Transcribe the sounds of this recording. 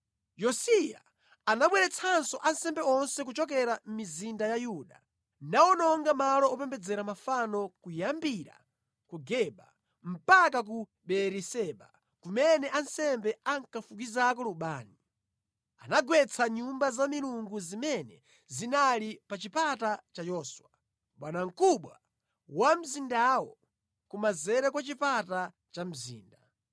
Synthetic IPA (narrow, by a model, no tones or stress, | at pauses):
jɔsija̰ː | naɓwɛɾɛt͡sʰansɔʔansɛmbɛɔnsɛk̬ut͡ʃɔk̬ɛɾam̩mizindajajuːɗa | nawɔnɔŋɡamalɔɔpɛmbɛd͡zɛɾamafanɔkujambiɾa̰ | kuɡɛɓa | m̩pak̬ak̬u | ɓɛɾisɛɓa̰ | kumɛnɛʔansɛmbɛaŋkafuk̬izak̬ɔluɓaːni | anaɡwɛt͡sʰaɲumbazamiɾuŋɡuzimɛnɛ | zinalipat͡ʃipatat͡ʃajɔːswa | ɓanaŋ̩kuɓwa | wam̩zindawɔ | kumazɛɾɛkwat͡ʃipata | t͡ʃam̩zḭːnda